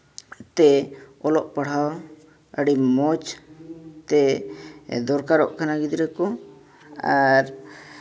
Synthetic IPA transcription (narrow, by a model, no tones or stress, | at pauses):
t̪ɛɔlɔʔpəɽ̤aw | əɽimɔt͡ʃ | t̪ɛ | d̪ɔɾkaɾɔ̰ʔkʰanaɡid̪ɾɛkɔ | aɾ